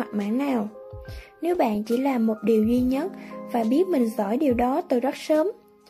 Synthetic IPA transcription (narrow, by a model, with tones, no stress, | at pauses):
a˨˩k̚ma̰ː˧˥nːaː˨˩w | ne˨˦wɓa̰ː˧˨nt͡ɕi˧˩laː˨˩mːo˨˩t̚ɗi˨˩əwzwi˧ɲə˦˥t̚vaː˨˩ɓi˦˥ət̚mï˨˩ŋ̟zɔ̰˧˩jɗi˨˩əwɗɔ˨˦t̪ɨ˨˩zə˦˥t̚səː˨˦m